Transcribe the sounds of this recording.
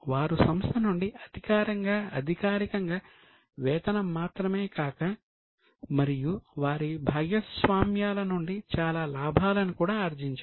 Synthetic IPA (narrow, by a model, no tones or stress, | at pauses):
ʋaːɾusɐmst̪ʰɐnuɳɖiɐd̪ʱikaːɾɐŋɡaːɐd̪ʱikaːɾikɐŋɡaː | ʋɛːt̪ɐnɐmːaːt̪ɾɐmeːkaːkɐ | mɐɾijuʋaːɾibʱaːɡjɐsʋaːmjaːlɐnuɳɖit͡ʃaːlaːlaːbʱaːlɐnikuːɽaːɐɾd͡ʒiɲt͡ʃa